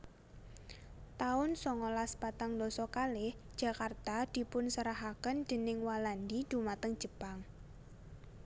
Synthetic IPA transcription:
t̪aʊnsɔŋɔlaspat̪aŋd̪ɔsɔkalɪhd̥ʒ̥a̤kart̪ad̪̥i̤pʊnsəɾaɦakənd̪̥ə̤nɪŋwaland̪id̪̥ṳmat̪əŋ̥d͡ʒ̥ə̤paŋ

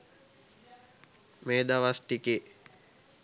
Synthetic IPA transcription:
meːd̪aʋasʈike

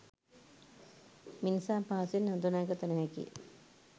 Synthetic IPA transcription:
minsaːpaːsinːɐnd̪unaːɡət̪ɐnɐɦɛkḭ

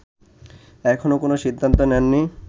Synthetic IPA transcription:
ɛkʰonokonoʃid̪ʱːant̪onɛnːi

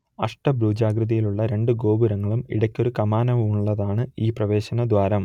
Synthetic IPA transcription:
ɐʂʈɐbɾuːd͡ʑaːɡɾɨðɐjiluɭːɐɾe̞ɳɖɨɡo̞ːbuɾɐŋːɐɭumḭɽɐkʲːo̞ɾukɐmaːnɐʋɐmuɭːɐðaːɳɨiːprɐʋe̞ːɕɐnɐd̪ʋaːɾɐm

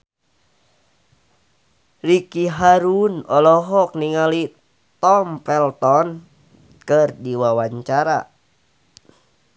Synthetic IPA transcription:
rikiɦaɾunɔlɔɦɔk̚niŋali | t̪ɔmpɛlt̪ɔn | kərdiwawaɲt͡ʃaɾa̰

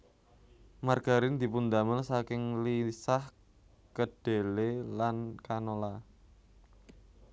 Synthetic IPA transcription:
marɡ̥a̤ɾɪnd̪i̤pund̪amənsakɪŋlisah | kəɖ̥e̤lelankanola

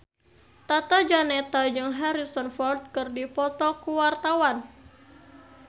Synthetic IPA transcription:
t̪at̪ad͡ʒanɛt̪ad͡ʒɨŋɦaɾisɔnfɔld̪̚kɨrdipɔt̪ɔkuwart̪awan

